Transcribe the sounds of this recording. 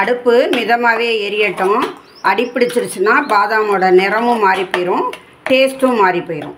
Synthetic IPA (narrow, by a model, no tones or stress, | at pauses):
ɐɽɯpːɯmɪðɐmaːʋeːɛɾɪjɐʈːʊ̃ | ʔɐɽɪpːɪɽɪt͡ʃːɪɾɯt͡ʃːɯnaːpaːðaːmoːɽɐnɪɾɐmɯ̃maːɾipoːjɪɾʊ̃ː | ʈeːsʈɯ̃maːɾipoːjɪɾʊ̰̃ː